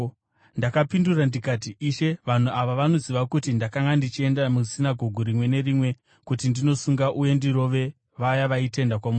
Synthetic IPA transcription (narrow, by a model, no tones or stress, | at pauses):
ndakapindurandikat̬iʔiʃe̞ʋan̤uaʋaʋano̞ziʋakutindakaŋɡandit͡ʃie̞ndamusinaɡʱoɡʱoɾimwe̞ne̞rimwe̞ | kutindino̞suŋɡaʔuje̞ndiɾo̞ʋe̞ | ʋajaʋaite̞ndakwamu